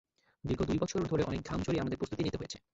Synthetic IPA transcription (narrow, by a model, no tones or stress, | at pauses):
d̪iɾɡʱod̪ujbɔt͡ɕʰoɾd̪ʱoɾeʔɔnek̚d̪ʱamt͡ɕoɾieamad̪eɾpɾost̪ʰut̪init̪eɦojet͡ɕʰe